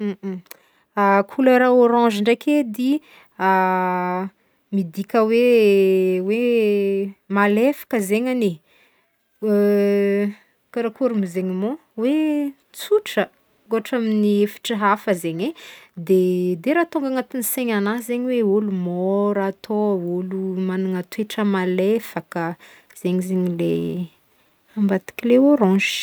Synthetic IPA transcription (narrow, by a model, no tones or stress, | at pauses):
akʰuləɾaoɾɑ̃ʒiɳɖ͡ʐakʰed̪i | a | mid̪ikʲəwe | we | malefḁkəzeɲane | kaɾakuɾumizeɲimo | we | t͡suʈ͡ʂə | ɡoaʈ͡ʂaminifi̥ʈ͡ʂaɦafəzeɲed̪ed̪eɾat̪uŋɡaŋat̪iniseɲanazeɲiweulumoɾat̪ʰoulumanaŋat̪weʈ͡ʂəmalefakə | z̥eɲizeɲile | ambat̪i̥kʲileoɾɔ̃ʒi̥